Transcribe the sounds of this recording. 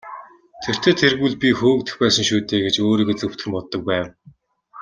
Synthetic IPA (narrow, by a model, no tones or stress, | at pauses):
t̪ʰer̥t̪ʰeːt̪ʰerɣŭɮpʲixuːk̚t̪ɘ̥̆xpæːsə̆ŋʃuːt̪eːɡet͡ɕoːɾiːɡet͡sɵ̆w̥t̪̆xɘ̆mpɔt̪ːɞ̆k̚pæːw